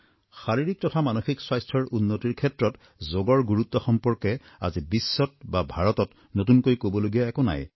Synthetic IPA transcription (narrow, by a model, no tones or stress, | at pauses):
xaɹiɹik̚tɔtʰamanoxikswajstʰɔɹʔunːotiɹkʰɛtɹɔt | zoɡɔɹɡuɹut̪ːɔxɔmpɔɹkɛ | a̰zibisːɔt̚babʱaɹɔtɔt | notunkojkobɔloɡijaɛkona̰j